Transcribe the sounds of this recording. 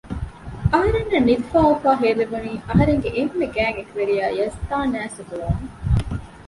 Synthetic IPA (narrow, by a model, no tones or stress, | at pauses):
ɐɦɐɾenːɐnːid̪ifaːufaːɦeːleʋuniːʔɐɦɐɾeŋɡeʔemːeɡæːŋekʋeɾijaːjɐst̪aːnæːsuɦuɾoːme